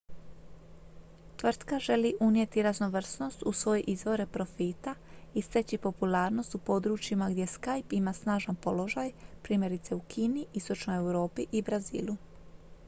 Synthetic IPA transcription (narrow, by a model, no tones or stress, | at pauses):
t̪ʋr̩t̪kaʒe̞liʔunje̞t̪iɾazno̞ʋr̩sno̞st̪usʋo̞jeʔizʋo̞ɾe̞pɾo̞fiːt̪aist̪e̞t͡ɕipo̞pulaːɾno̞st̪upo̞d̪ɾuːt͡ʃimaɡd̪ʲje̞skajpimasnaːʒanpo̞lo̞ʒajpɾiːmʲje̞ɾit̪se̞ukʰiːniʔist̪o̞t͡ʃno̞jewɾo̞ːpiʔibɾazḭːlˠu